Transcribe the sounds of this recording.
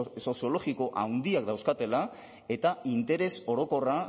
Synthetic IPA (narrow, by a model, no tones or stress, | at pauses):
so̞sijo̞lo̞ɣiko̞ʔa̰wnd̪iakd̪awskat̪e̞la | e̞t̪aint̪e̞ɾe̞so̞ɾo̞ko̞ra